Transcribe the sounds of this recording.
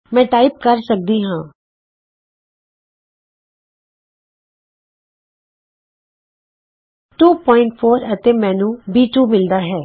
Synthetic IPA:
mɛ̃ːʈaːɪp̚kəɾsək̚d̪iːɦãː | ʈuːpɔːɪ̃ɳʈpʰoːɾət̪eːmɛ̃ːnũːbiːʈuːmɪld̪aːɦɛː

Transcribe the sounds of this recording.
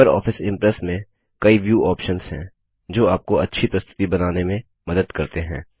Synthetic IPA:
əɾɔ̰ːfɪsɪ̃mpɾɛsmẽ | kɐiʋjuːʔɔːpʃənz̥ɦɛ̰̃ː | d͡ʒoːaːp̚koɐtːʃʰipɾɐst̪ʰɪ̥t̪ibɐnaːnemẽ | mɐd̪əd̪kɐɾt̪eɦɛ̰̃ː

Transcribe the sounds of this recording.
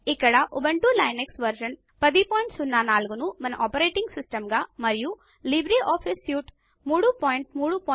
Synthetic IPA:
ikːɐɽɐʔubɐɳʈulɐjneksʋɐɾʃɐn | pɐd̪ipoːjɳʈsunːaːnaːluɡunumɐnɐʔɔːpɐɾeːʈiŋɡsisʈɐmɡaːmɐɾiju | libɾioːpʰisjuːʈ | muːɽupoːjɳʈ̚muːɽupoː

